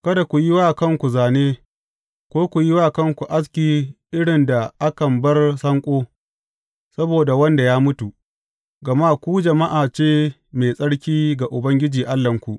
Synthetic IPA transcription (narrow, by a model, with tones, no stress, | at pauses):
kɐ˦da˨kʷu˨jɪ˦waː˦kɐ˦ŋkʷu˨zaː˨neː˦ | kʷoː˦kʷu˨ji˦waː˦kɐ˦ŋkʷu˨ʔa˦s̬kʲiː˨ʔɪ˦ɽɪ˨nda˨ʔa˦kɐ˨mbɐ˦rsɐ˦ŋkʷʼoː˦ | sɐ˦boː˨da˨wɐ˦nda˨jaː˦mʊ˦tu˨ | ɡɐ˨ma˦kʷuː˦d͡ʒɐ˨ma˦ʔaː˨t͡ʃeː˦ | meː˨sʼɐ˦ɽkʲiː˦ɡa˨ʔʊ˨bɐ˦ŋɡʲɪ˦d͡ʒiː˨ʔa˦lːɐ˨ŋkʷu˨ʔ